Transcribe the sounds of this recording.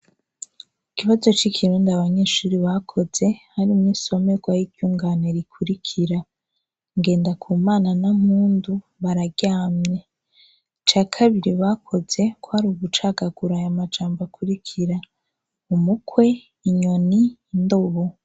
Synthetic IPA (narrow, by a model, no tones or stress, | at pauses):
ikiβazo̞t͡ʃikʰiɾuːndaβaɲeːʃuːɾiβakʰo̞z̥e̞haɾimŋiso̞me̞ɡwajiɡjuːŋɡaːne̞ɾikʰuɾikʰiɾa | ŋɡe̞ːndakʰuːmaːnanamhuːndu | βaɾaɡɟaːmɲe | t͡ʃaːkʰaβiɾiβakʰo̞z̥e̞kʰwohaɾuβut͡ʃaɡaɡ̥uɾajamad͡ʒaːmbakʰuɾikʰiɾa | umukʰwe̞ː | ɲo̞niːndo̞βo